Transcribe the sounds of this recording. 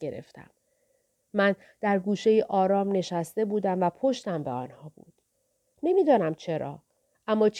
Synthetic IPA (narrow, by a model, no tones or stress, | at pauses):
eɾḛft̪æ̰mː | æn | d̪̥æɾɡuːʃe̞jiʔɒːɾɒːmne̞ʃæst̪e̞buːd̪æmvæpʰo̞ʃt̪æmbeɒ̰ːnhɒːbṵːd̪̥ | ne̞miːd̪ɒːnæmt͡ʃʰe̞ɾɒ̰ː | ʔæmːɒːt͡ʃʰ